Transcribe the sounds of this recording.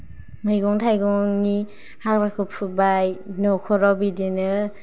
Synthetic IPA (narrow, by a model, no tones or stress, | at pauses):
mɯjɡɔŋtʰajɡɔŋni | hak̚ɾakʰɯpʰubajnɔkʰɔɾɔbidinɯ